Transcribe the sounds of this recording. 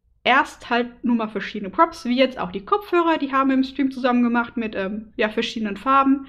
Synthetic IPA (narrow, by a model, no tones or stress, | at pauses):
ʔeːɐsthalt̚nuːɐmaːlfɛɐʃiːdənəpʁ̥ɔpsv̥iːjɛt͡sta̰ʊxd̥iːkʰɔp͡ffhøːʁɐdiːɦaːbm̩ɪmstʁ̥iːmt͡suzamənɡəmaχtmɪtʔɛːmjaːfɛɐʃiːdənənfaɐbm̩